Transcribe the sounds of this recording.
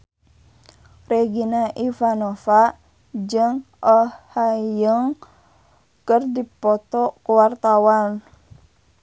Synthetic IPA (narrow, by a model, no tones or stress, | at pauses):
reɡinaʔifanofaʔ | d͡ʒɨŋ | ɔhhajəŋ | kərdipɔt̪ɔkuwart̪awan